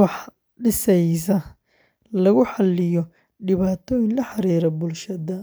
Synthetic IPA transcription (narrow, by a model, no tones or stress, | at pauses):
wɑħ | ɖɪsɛjs̬ɐ | lɐɣʊħɑlːɪjɔ | ɖɪβaːt̪ʰɔːjɪnlɐħɑɾiːɾɐbʊlʃɐðɐ